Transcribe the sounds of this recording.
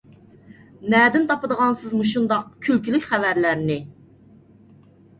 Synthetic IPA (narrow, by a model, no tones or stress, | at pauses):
nɛd̪ɪnt̪ʰɑpəd̪əʁɑnsɨzmuʃund̪ɑq̚kʲʰylkʲilɪkʲχævæɾlæɾnɪ